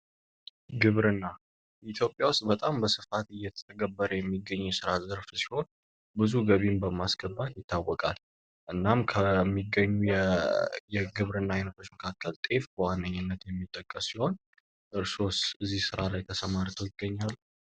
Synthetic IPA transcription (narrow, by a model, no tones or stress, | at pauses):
ɡɨβɾɨnːa | ʔit̪ʰjo̞pʼjawʊst̪ʼbət̪ʼambəsɨfat̪ɨjːɛt̪ʰə̥t̪ʰəɡəbːəɾəjɛmːiɡːəɲːjɛsɨɾazəɾfsi̥ho̞n | bɨzuɡəβimbəmasɡ̥əbːat̪jɪt̪ʰːawːɔkʼa̰l | ʔɨnːamkʰəmːiɡəɲːuɛjɛɡɨβɾɨnːaajnət̪ʰot͡ʃːməkʰakːəlt̪ʼe̞fbəwanːəɲːɨnːət̪jɛmːit̪ʼːəkʼːəsːiho̞n | ʔɨɾso̞sɨzːihsɨɾalajt̪ʰəsəmaɾt̪ʰojɪɡːəɲːalː